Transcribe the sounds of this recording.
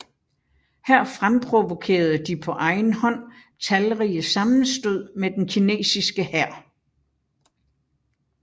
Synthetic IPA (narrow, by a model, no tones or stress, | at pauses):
hæɐ̰fʁampʰʁo̝ʋo̝kʰe̝̰ːɐð̞̩ˠd̥ipʰɒ̽ʔɑ̈ɪn̩hɒ̽n̰ | t͡sʰælʁiːəsɑ̈mn̩sd̥o̝ð̰ˠmed̥enkʰine̝̰ːsisɡ̥əhæɐ̰